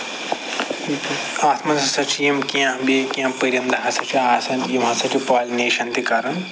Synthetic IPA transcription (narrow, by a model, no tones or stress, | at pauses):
aːt̪ʰmɐnsɐsɐt͡ʃʰijimkijãbeːkijãpɐɾʲjɐnd̪ɐɦasɐt͡ʃʰiaːsɐnt̪ijimɦasɐt͡ʃʰipaːlneːʃɐnt̪ikaːɾɐn